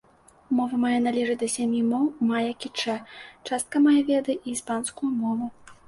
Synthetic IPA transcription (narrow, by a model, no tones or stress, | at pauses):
mɔvɐmajanalʲɛʐɨd̪ɐsʲamʲjimɔwmajɐkʲit͡ʂɛt͡ʂast̪̚kɐmajavʲɛd̪ɨʔiːspanskujumɔvu